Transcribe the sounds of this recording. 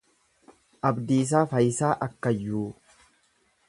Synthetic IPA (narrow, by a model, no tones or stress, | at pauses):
ʔɐbd̪iːs̬aːfɐjɪsaːʔɐkːɐjːuː